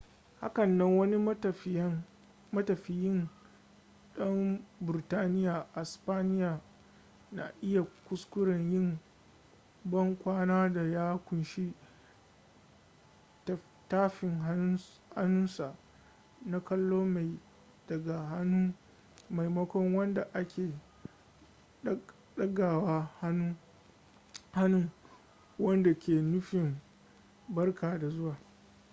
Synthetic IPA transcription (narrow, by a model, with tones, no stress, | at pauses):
ha̰˦kɐ˨nːɐ˦ŋwɐ˦ni˦˨˦ | mɐ˦tɐ˨ɸi˨jɪ˦n | ɗɐ˦mbʊ˨ɾtaː˦nɪ˦ja˨ʔa˨spaː˦nɪ˦jaː˨ | na̰˨ʔɪ˦ja˨kʷʊ˦skʷʊ˦ɽɐ˨ɲjɪ˦ŋ | bɐ˦ŋkʷaː˦naː˦da˨jaː˦kʷʊ˨nʃi˦ | t | taː˦ɸɪ˨ŋ˦ | ha̰˦nʊ˦nsa˨ʔ | na˦kɐ˦lːoː˦ma˨j | d̥ɐ˨ɡa˨hn˦ | ma˨jmɐ˦kʷɔ˦ŋwɐ˦nda˨ʔa˦kʲeː˨˦ | ɗɐ˦ɡa˨waː˦ha˦nu˦ | ha˦nʊ˦ŋ | wɐ˦nda˨kʲʰeː˨nʊ˦ɸɪ˨m | bɐ˦rkaː˨da˨zʊ˦waː˨